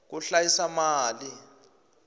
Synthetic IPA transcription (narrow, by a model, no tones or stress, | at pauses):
k̬uɬajisamaːli